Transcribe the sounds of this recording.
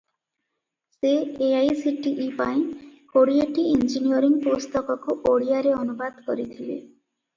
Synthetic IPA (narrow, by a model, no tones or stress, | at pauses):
seːajsiʈiʔipaĩkoɽieʈiind͡ʒinijɔɾiŋpost̪ɔkɔkuʔoɽijaɾeɔnubad̪ʱkɔɾit̪ʰilḛ